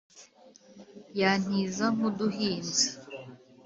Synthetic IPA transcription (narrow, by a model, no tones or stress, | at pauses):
jan̥izaŋuduhiːnzḁ